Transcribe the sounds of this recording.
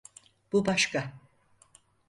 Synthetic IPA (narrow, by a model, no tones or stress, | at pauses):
b̥ubaʃka